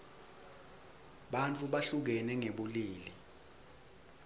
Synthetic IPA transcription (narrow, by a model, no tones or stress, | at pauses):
ɓant͡fʰʼuɓaɬuk̬ɛnɛŋeɓuliːli